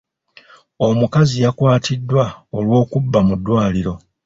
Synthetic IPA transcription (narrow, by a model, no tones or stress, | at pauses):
o̞mukazijakwaːtʰidːwaolwo̞ːkubːamudːwaːliɾo̞